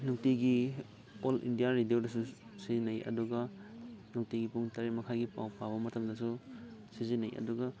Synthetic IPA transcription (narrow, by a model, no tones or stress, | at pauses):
nuk̚tiɡi | olḭndijaɾidiodɐsusizinɐjɐ̰duɡɐnuk̚tiɡipuŋtɐɾimɐkʰaɡipa̰wpaβɐmɐtʰɐmdɐsusizinɐjɐ̰duɡɐ